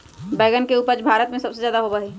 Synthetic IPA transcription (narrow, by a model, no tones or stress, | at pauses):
bəɪɡənkeuːpəɾd͡ʒbʱaːɾət̪mẽsɐbsezjaːd̪aɦobəɦe